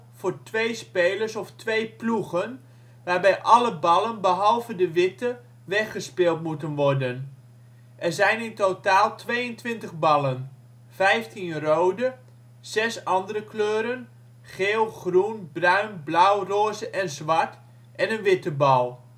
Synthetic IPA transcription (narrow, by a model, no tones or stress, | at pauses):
fʊːrtʋejspeːlərsɔftʋejpluɣən | ʋaːrbɛjʔɑləbɑlˠənbəɦɑlˠvədəʋɪtə | ʋɛxəspɪːlˠtmutənʋɔrdən | ʔɛrzɛjnɪntotaːlˠtʰʋejəntʋɪntəɣbɑlən | fɛjftʰinrowdə | z̥ɛsɑndəɾəkløːɾən | χeːlˠχrunbrœɥnblœwroːzəʔɛnzʋɑrt | ʔɛnənʋɪtəbɑlˠ